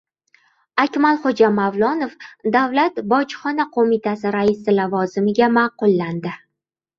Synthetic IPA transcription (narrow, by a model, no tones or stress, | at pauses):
akʲmalˠχod͡ʒamavlˠɒnofd̪avlat̪bɒt͡ʃχɒnaqʰomɪt̪ʰasɪɾaɪsɪlavɒzɪmɪɡʲamɑqʊlˠːand̪ɪ